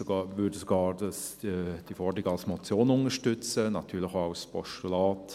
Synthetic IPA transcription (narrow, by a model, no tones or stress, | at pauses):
soɡɑːʋʏɾdəsoɡɑːɾdɑsd̥iəfɔɾdɾɪɡɑlsmɔt͡sjoːnʊŋəʃtʏt͡sənɑtʰyːɾləxaʊspɔʃtulaːt